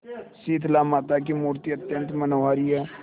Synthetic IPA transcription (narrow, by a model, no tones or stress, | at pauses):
siːt̪ʰlaːmaːt̪akimuːɾt̪iət̪jə̃nt̪mənoːaːɾiɛː